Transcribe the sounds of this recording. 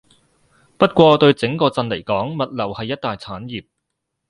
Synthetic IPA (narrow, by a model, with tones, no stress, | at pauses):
pɐ˥t̚kʷɔː˧t̪ɵ˧ɥt͡sɪ˨˥ŋkɔː˧t͡sɐ˧nle˨˩jkɔː˨˥ŋmɐ˨t̚lɐ˨˩whɐ˨jːɐ˥t̚t̪aː˨jt͡sʰaː˨˥njiː˨p̚